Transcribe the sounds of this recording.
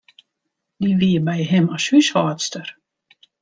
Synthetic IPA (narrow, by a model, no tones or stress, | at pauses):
diʋiəbɛjɦɪmɔshyshɔːtstər